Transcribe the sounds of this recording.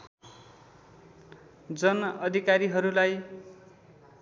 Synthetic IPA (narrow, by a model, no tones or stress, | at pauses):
d͡zʌnʌʌd̪ʱikaɾiɦʌɾulaj